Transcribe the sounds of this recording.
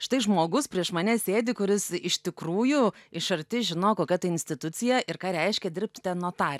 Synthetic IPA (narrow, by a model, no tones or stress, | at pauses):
ʃʲɪ̥t̪ɐɪʒmoːɡʊspʲɾʲiɛʃmɐnʲɛsʲeːd̪ʲɪkʊɾʲɪsɪʃʲt̪ʲɪkɾuːjuɪʃɐɾʲt̪ʲɪʒʲɪnoːkoːkʲɛt̪ɐɪɪnʲsʲt̪ʲɪt̪ʊt̪t͡s̪ʲɪjɛʔɪɾkɑːɾʲɛɪʃʲkʲɛd̪ʲɪɾʲp̚ʲt̪ʲt̪ʲɛnnoɔt̪ɑːrʲ